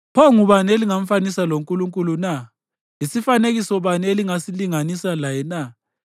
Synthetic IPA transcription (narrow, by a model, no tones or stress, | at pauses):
pʰɔŋuβaneliŋam̩fanisaloŋkʼuluŋkʼuluna | isifaneɣisɔβaneliŋasiliŋanisalajɛna